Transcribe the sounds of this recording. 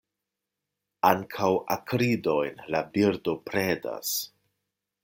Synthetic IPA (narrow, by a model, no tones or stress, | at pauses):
aŋkʰawʔa̰kɾido̞jnlabiɾdo̞pɾeda̰s